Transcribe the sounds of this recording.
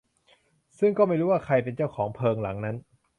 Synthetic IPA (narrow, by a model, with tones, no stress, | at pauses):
sɯ˥˩ŋkɔː˥˩ma˥˩jɾuː˦˥waː˥˩kʰa˧jpe˧nt͡ɕa˥˩wkʰɔː˩˦ŋpʰɤː˧ŋla˩˦ŋna˦˥n